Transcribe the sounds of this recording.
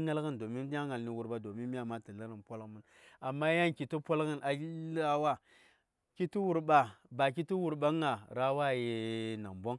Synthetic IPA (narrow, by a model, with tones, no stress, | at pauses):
ŋa˦lɣə˦ndo˨mi˦n˦a˦ŋa˨lni˨wu˨ɾɓa˦do˨mi˦mi˦a˨ma˦ti˨la˦ɾə˨npʷo˦lmə˦n | a˨mːa˦ja˦nki˨tu˦po˦lɣə˦nʔa˨˦la˦wa˦ | ki˦ti˦wu˨ɾɓa˨ba˨ki˦ti˦wu˨ɾɓa˦ŋa˨ɾa˦wa˦˨je˨na̰˨mbo˦ŋ